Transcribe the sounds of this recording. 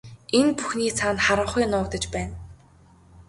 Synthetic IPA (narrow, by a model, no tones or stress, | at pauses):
enpuxniːt͡sʰaːnχaɾə̆ɴχʊjnʊːkt̪ə̆t͡ɕpæːn